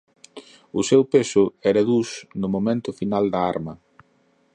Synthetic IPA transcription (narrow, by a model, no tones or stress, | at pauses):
ʊsewpesʊɛɾɐðusnʊmomẽnt̪ʊfinald̪ɐa̰ɾmɐ